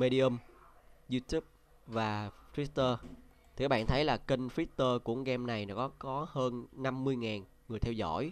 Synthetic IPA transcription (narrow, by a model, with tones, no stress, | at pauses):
me˧ɗi˧ə˧mzu˧t̪u˦˥p̚ | vaː˨˩fʰwi˦˥t̚t̪əː˧tt̪i˨˩aː˦˥ɓa̰ː˧˨nt̪ʰə˨˦jlaː˨˩kə˧ŋ̟fi˦˥t̚t̪əː˧kʊ̰˧˩əŋ͡mɣɛ˧mna˨˩jnɔ˨˦˥kɔ˨˦kɔ˨˦həː˧nna˧mːɨ˧əjŋaː˨˩n | ŋɨ˨˩əjt̪ʰɛ˧wzɔ̰˧˩˨j